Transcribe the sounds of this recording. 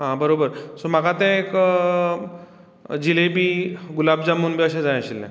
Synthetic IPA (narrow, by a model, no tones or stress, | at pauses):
ɦãbəɾobəɾsomaɡat̪ɛ̃ek | d͡ʑilebʱiːɡulabd͡zamuːnbʱiəɕɛ̃d͡zaj̃əɕilnɛ̰̃